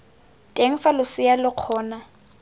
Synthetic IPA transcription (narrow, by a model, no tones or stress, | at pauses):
tʼeŋ̩falʊsɪalɪq͡χʰɔːna